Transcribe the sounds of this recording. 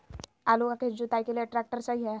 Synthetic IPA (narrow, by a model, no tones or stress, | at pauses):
aluaked͡ʑut̪ajkeleʈɾak̚ʈəɾsaɦiɦɛ